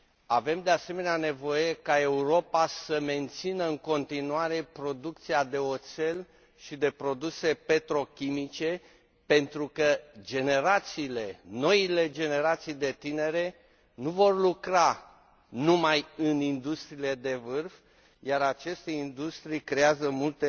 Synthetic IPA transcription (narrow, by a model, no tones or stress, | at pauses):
ave̞md̪e̞ase̞me̞neane̞vo̞je̞kae̞uɾo̞pasəme̞nt̪sinəɨŋko̞nt̪inuaɾe̞pɾo̞d̪ukt̪siad̪e̞o̞t̪se̞l | ʃid̪e̞pɾo̞d̪use̞pe̞t̪ɾo̞kʲimit͡ʃe̞ | pe̞nt̪ɾukəd͡ʒe̞ne̞ɾat̪siːle̞no̞ile̞d͡ʒe̞ne̞ɾat̪sijd̪e̞t̪ine̞ɾe̞ | nuvo̞rlukɾa | numajɨnind̪ust̪ɾiːle̞d̪e̞vɨrf | jaɾat͡ʃe̞st̪e̞ind̪ust̪ɾijkɾe̞azəmult̪e